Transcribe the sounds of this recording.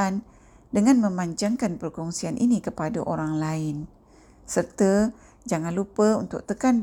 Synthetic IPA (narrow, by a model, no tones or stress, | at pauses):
an | dəŋanmə̃maɲd͡ʒaŋkanpərkɔŋsianʔḭnikəpadaʔoɾaŋlaɪn | sərt̪ə | d͡ʒaŋanlupəunt̪ʊ̰k̚t̪əkan